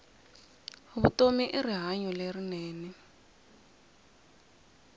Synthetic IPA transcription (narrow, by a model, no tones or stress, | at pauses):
uβutomiʔiriɦaɲɔlerineːni